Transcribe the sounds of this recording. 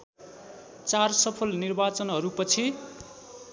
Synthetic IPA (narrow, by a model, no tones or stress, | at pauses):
t͡sarsʌpʰʌlnirbat͡sʌnɦʌɾupʌt͡sʰi